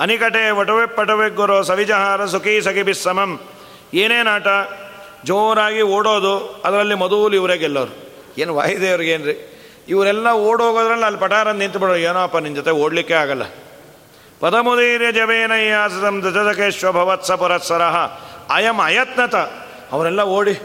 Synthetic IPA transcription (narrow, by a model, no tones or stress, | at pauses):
ɐnikɐʈeːʋɐʈɐʋepːɐʈɐʋeɡːoɾoːsɐʋid͡ʒɐɦaːɾɐsukiːsɐkibisːɐmɐm | eːneːnaːʈɐ | d͡ʒoːɾaːɡioːɽoːd̪uɐd̪ɐɾɐlːimɐd̪uːliʋɾeɡɛlːɐʋɐɾu | eːnʋa̰ːjid̪eːiʋɐɾueːnɾi | iʋɐɾɛlːɐoːɽɦoːɡoːd̪ɐɾɐlːɐɐlːipɐʈaːɾɐnnint̪biɽoːeːnoːɐpːɐnimd͡ʒot̪eoːɽlikːeaːɡɐlːɐ̰ | pɐd̪ɐmud̪iːɾjɐd͡ʒɐbeːnɐjaːsɐt̪ɐmd̪it̪ɐt̪ɐkeːʃʋɐbʱɐʋɐt̪sɐpuɾɐt̪sɐɾɐɦɐːjɐmɐjɐt̪̚nɐt̪ɐ | ɐʋɐɾɛlːɐoːɽi